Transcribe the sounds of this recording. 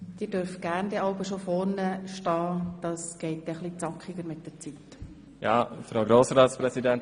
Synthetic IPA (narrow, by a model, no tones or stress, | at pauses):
d̥iːdøɾfɡ̥æɾnd̥iɑʊbəʃofɔɾnəʃtɑːd̥ɑːsɡ̥ɛɪt̚d̥ɛχlit͡sɑkχiɡəɾmɪt̚d̥ɛɾt͡sit̪ | jɑ̰ːfɾaɡɾoːsɾɑːtspɾɛsidɛnt